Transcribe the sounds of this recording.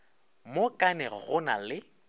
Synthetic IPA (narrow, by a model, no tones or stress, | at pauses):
mokʼanɛɣʊna̰lɪ